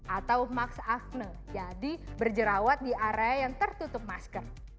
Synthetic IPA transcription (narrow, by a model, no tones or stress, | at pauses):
ʔat̪awmaksak̚nə | d͡ʒadibərd͡ʒəɾawat̪̚diʔaɾeajaŋt̪ərt̪ut̪ʊp̚maskər